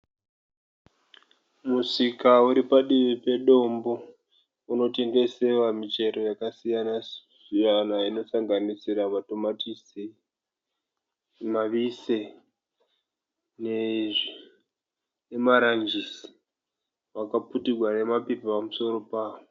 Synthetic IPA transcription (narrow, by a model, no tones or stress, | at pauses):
musikauɾipaɗiʋipe̞ɗo̞mbo̞ | uno̞te̞ŋɡe̞sewamite̞ɾo̞jakasijana | ijanaino̞saŋɡanisiɾamato̞matisi | maʋise | neʐi | emaɾand͡ʒisi̥ | wakaputiɡʱwane̞mapepipamuso̞ɾo̞paːwo